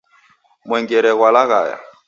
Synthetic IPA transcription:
mwɛŋɡɛɾɛɣwalaɣa̰ja̰

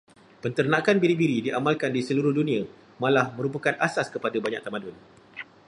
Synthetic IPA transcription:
pənt̪ərnãkanbiɾibiɾidiʔamalkandisəluɾʊhdunĩa | mãlahmə̃ɾupakanasaskəpadabaɲa̰ʔ̚t̪amãdʊn

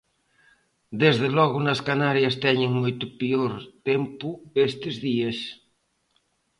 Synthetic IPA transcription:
d̪ezðelɔɣʊnɐskanaɾjɐst̪ɛɲɪŋmojt̪ʊpioɾt̪empʊest̪ezðiɐs

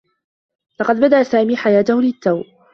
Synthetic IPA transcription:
lɑqɑd̪̚bad̪aʔsaːmiːħajaːt̪ʊhʊlɪt̪ːaw

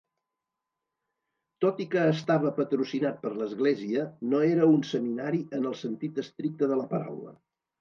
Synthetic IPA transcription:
t̪ot̪ikəːst̪aβ̞əpət̪ɾusinat̪̚pəɾləzɣleziənoeɾəunsəminaɾiənəlˠsənt̪it̪əst̪ɾik̚t̪əðələpəɾa̰wlə̰

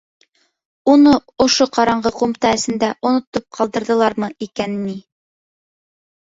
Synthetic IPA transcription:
unɤŏʃoqɑɾɑɴɢɤqumt̪ɑɘsɘ̆nd̪æʔŏnŏt̪op̚qʰɑlˠd̪ɤ̆ɾðɤ̆lˠɑɾmɤʔikænni

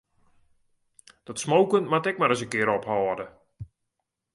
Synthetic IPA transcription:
d̥ɔtsmowkəntmatɛk̚maɾəsəkɪəɾɔphɔːdə

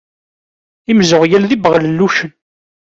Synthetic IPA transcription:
imzʊʁjælðibəʁləlːuʃən

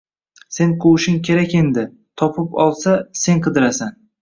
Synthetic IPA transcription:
se̞nqʰowʃɪŋkʲʰe̞ɾakʲe̞nd̪ɪ | t̪ʰɒpʰɪpɒlˠsase̞ŋqʰɨd̪ɪɾasan

